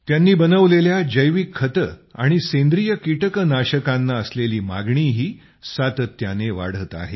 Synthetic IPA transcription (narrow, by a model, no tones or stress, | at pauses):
t̪janːiːbənəʋleljad͡ʑəjʋikʰːət̪əa̰ɽ̃isẽnd̪ɾijəkiʈəknaɕəkãnːaəsleliːma̰ɡɳiːɦiː | sat̪ət̪ːjaneʋa̰ɽ̤ət̪a̰ɦḛ